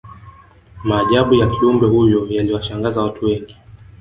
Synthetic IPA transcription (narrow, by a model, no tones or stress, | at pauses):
maːʄaɓujakiumbɛhujɔjaliwaʃaŋɡazawatuwɛŋɡi